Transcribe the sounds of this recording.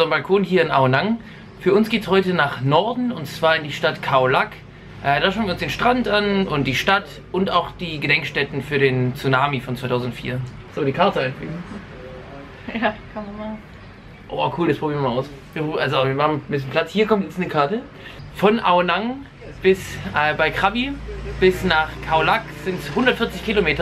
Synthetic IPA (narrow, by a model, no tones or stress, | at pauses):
ɐmbalkʰoːnhiːɐɪnʔaʊnaŋ | fyːɐʊnsɡ̥eːtshɔʏtənaːχnɔɐdn̩ʊntt͡sv̥aːɐɪndiːʃtatkʰaʊlak | ʔɛdaːʃaʊniːɐʊnsd̥eːnʃtʁ̥antʔanʊntd̥iːʃtat | ʔʊntaʊxd̥iːɡədɛŋkʃtɛtn̩fyːɐɾeːnt͡sunaːmifɔnt͡svaɪtʰaʊzn̩ʊtfḭːɐ | z̥oːdiːkʰaɐtəʔaɪnflḭːɡn̩ | jakʰanma | ʔo̰ːakʰuːldaspʁ̥obiːmaaʊs | viːɐʔalzoviːɐmahaχm̩mbɪs̬jən̩pʰl̥at͡shiːɐkʰɔmtjɛt͡snəkʰaɐtə | fɔnʔaʊnaŋ | b̥ɪsʔɛbaɪkʁ̥abib̥ɪsnaːχkʰaʊlakz̥ɪnthʊndɐtfɪɐt͡sɪçkʰilomeːtɐ